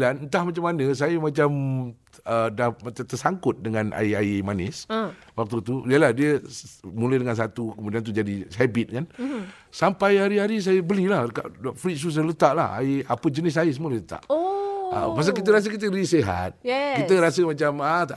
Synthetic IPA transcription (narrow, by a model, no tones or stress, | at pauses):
lannt̪ahmat͡ʃamːanəs̬ajəmat͡ʃam | ədahmat̪ərsaŋkʊt̪̚dəŋanʔa̰iaimanɪ̰s | wak̚t̪ut̪uliəlahdiəmulajdəŋans̬at̪ukəmudiant̪ud͡ʒadiɦabɪt̪̚kan | sampajaɾiɦaɾis̬ajəbəlilahka̰ʔfɾis̬us̬jələt̪aʔla̰ha̰ia̰pəd͡ʒənɪs̬ajəsəmuələlət̪a̰ʔə̰pas̬akit̪̬əɾas̬əkit̪̬əɾiseɦa̰t̪̚kit̪əɾasəmat͡ʃamat̪a